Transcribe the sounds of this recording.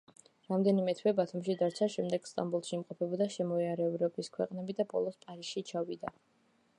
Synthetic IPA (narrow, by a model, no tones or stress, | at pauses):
ɾamd̪ɛnimɛt̪ʰwɛbat̪ʰumʃid̪aɾt͡ʃʰaʃɛmd̪ɛɡ̥st̪ʼambulˠʃiimqʼɔpʰɛbɔd̪aʃɛmɔiaɾɛɔbɾɔbiskʰwɛ̰qʼnɛbid̪abɔ̰lˠɔspʼaɾisʃit͡ʃʰavid̪a